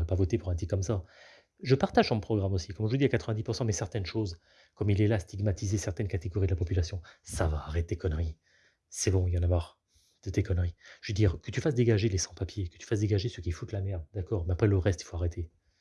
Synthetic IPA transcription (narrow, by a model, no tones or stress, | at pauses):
ʁɛpavɔt̪epuʁɛ̃t̪ikːɔmsa | ʒəpaʁt̪aʒdɑ̃mpχɔɡʁamosikɔmʒəvud̪iakat̪χəvɛ̃d̪ipuʁsɑ̃mɛsɛʁt̪ɛnʃoz | kɔmilɛlaːst̪ʰiɡmat̪ʰizesɛʁt̪ɛnkat̪eɡɔʁid̪əlapɔpylasjɔ̃savaːʁet̪ekɔnʁi | sɛbɔ̃ijɑ̃namaʁ | d̪̥ət̪ekɔnʁiʒəved̪iːʁkət̪yfas̬d̪eɡaʒelesɑ̃papjekə̥t̪y̥fasd̪eɡaʒesøkʲifut̪lamɛʁd̪d̪akɔʁmɛapχɛləʁɛst̪i̥foaʁet̪ʰe